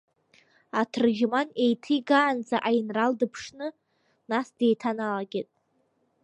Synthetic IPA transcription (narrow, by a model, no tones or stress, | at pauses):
atʰrʒʲmane̞jtʰɨjɡaːnd͡zaʔajnraldɨpʰʂnɨ | nasd̥ejtʰanalaɡʲetʼ